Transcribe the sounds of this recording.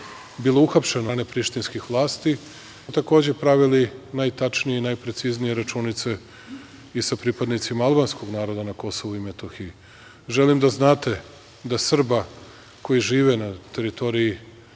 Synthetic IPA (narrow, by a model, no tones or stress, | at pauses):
bilˠouxapʃe̞nanepɾiʃt̪inskixʋlˠaːst̪i | t̪ako̞ːd͡ʑe̞pɾaʋilinajt̪at͡ʃnijeinajpɾe̞t̪siznije̞ɾat͡ʃuːnit̪se̞ | isapɾipad̪nit̪simaalˠbansko̞ɡnaːɾo̞d̪anako̞so̞ʋuimet̪oxiji | ʒe̞limd̪aznaːt̪e̞ | d̪asr̩ba | ko̞jiʒiːʋenat̪e̞ɾit̪o̞ɾiji